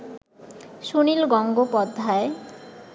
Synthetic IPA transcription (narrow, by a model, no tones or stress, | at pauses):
ʃunilɡɔŋɡopɔd̪ʱːae